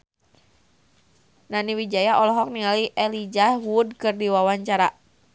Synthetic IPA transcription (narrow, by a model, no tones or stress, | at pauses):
naniwid͡ʒajaʔɔlɔɦɔk̚niŋaliʔɛlid͡ʒahwud̚kɨrdiwawaɲt͡ʃaɾa